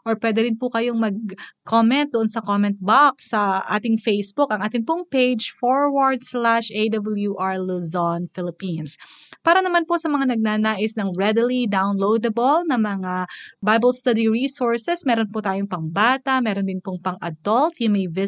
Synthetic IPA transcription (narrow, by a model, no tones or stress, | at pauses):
ʔoɹpwɛːd̪ɛɾɪnpʊkɐjoŋmɐɡ̚kʰomɛnt̪̚d̪oʔonsɐkomɛnt̪̚baksːɐʔa̰ːt̪ɪŋfejsbʊkɐŋʔaːt̪ɪŋpʊŋpejd͡ʒfoɹwaɹd̪slaʃʔejd̪ɐbɐljuʔaɹluzonfɪlɪpinspaːɾɐnɐmanposɐmɐŋanɐɡ̚nanaːʔɪsnɐŋɹɛd̪lid̪awnlowd̪ɐbolnɐmɐŋabajbɐlst̪ɐd̪iɹiːsoɹsɛsmɛːɾonpʊt̪aːjoŋpɐŋbaːt̪ɐʔmɛːɾond̪ɪnpʊŋpɐŋʔɐ̰d̪ɔlt̪jʊŋmɐjvɪ